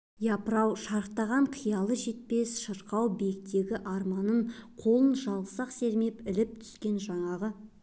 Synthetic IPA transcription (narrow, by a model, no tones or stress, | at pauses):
jɑpəɾɑwʃɑɾəqt̪ɑʁɑɴqʰəjɑlˠəʒe̞t̪̚pe̞sʃəɾqɑwbe̞k̚t̪e̞ɡʲɪʔɑɾmɑnəɴqʰo̞lˠənʒɑlˠʁəsɑqse̞ɾme̞pɪlɪp̚t̪ʰʏ̥skʲe̞nʒɑɴɑʁə